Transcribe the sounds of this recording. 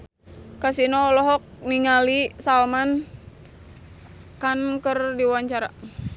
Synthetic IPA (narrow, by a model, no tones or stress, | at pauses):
kasinɔlɔɦɔk̚niŋalisalman | kankərdiwaɲt͡ʃaɾa̰